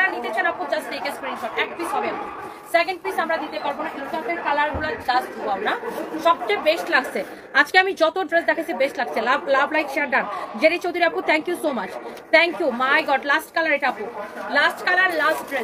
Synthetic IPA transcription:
ɾanit̪et͡ɕʰanapud͡ʑasʈejkespɾiŋʃɔʈɛk̚plisɦɔbeapu | sekeɳɖ̚plisamɾad̪it̪epaɾbonaʔisɔpeɾkalaɾɡulaɾdasd̪ʱuboamɾaʃɔb̚tebeʃʈlaɡt͡ɕʰe | ad͡ʑkeamid͡ʑɔt̪oɖɾesd̪ɛkʰat͡ɕʰibeʃʈlaɡ̚t͡ɕʰilablablajkʃeaɖand͡ʑeɾet͡ɕʰod̪ʱuɾeaput̪ʰɛŋkjusomat͡ɕt̪ʰɛŋkjumajɡɔɖlasʈkalaɾeʈaapulasʈkalaɾlasʈɖɾe

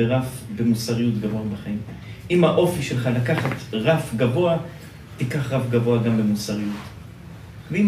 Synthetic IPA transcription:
eʁafbe̞musaʁijutɡavoabaχaimʔimhaʔo̞fiʃe̞lχalakaχatʁafɡavo̞a | tikaχʁafɡavo̞aɡambe̞musaʁijut | vei

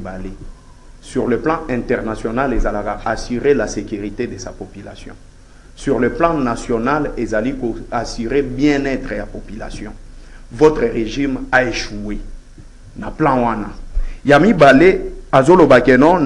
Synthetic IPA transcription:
bale | syʁləplɑ̃ɛ̃tɛʁnasjonalezalakaasyʁelasekyʁitedesapopyla̰sjɔ̰̃ | syʁləplɑ̃nasjonalezalikoasyʁebjɛ̃nɛtʁejapopyla̰sjɔ̃vɔt̪ʁəʁeʒimaeʃue | naplɑ̃wanajamibaleazolobakɛnɔ̃

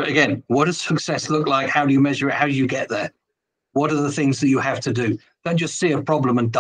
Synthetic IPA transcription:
ɨɡɛ̃nwɒd̥əz̥səksɛslʊklaɪkhaʊdɨjəmɛʒəɹɪt̚haʊdɨjəɡɛʔ̚ðə | wɒɾəðəθɪ̃ŋzðət͡ʃəav̥tʰədɨ | d̥õʊ̃n̥d͡ʒ̥ʌstsiəpʰɹ̥ɒblə̃mə̃nd

